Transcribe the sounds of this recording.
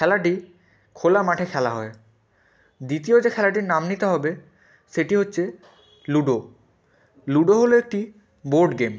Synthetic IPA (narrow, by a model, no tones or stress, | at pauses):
kʰɛlaʈi | kʰolamaʈʰekʰɛlaɦɔe | d̪it̪iod͡ʑekʰɛlaʈ̬iɾnamnit̪eɦɔbe | ʃeʈiɦotːɕʰe | luɖo | luɖoɦoloek̚ʈi | boɾɖɡem